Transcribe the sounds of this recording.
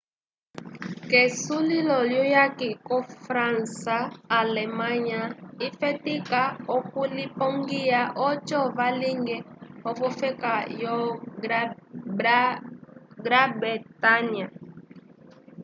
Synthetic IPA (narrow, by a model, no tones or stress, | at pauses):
kɛsulilɔljujakikɔfɾansaːlɛmãɲaifɛtikaɔkulipɔŋɡiaʔɔt͡ʃɔvaliŋɡɛɔvɔfɛkajɔ | ɡɾabɛtania